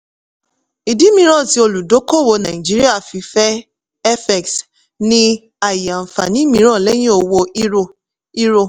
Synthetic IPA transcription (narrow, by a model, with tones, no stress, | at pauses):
i˨di˨˦mĩ˧ɾ̃ɔ̃˦˨ti˧o˧lu˨do˨˦ko˦˨wo˧nã˨i˨d͡ʒi˦ɾi˦a˦˨fi˧fɛ˦ | ɛ˦fɛ˨ks | nĩ˦ | a˨ja˨m̩˨fa̰˨nĩ˨˦mĩ˧˦ɾ̃ɔ̃˦˨lɛ˦j̃ĩ˦o˧wo˧i˦o˧ | i˦ɾo˧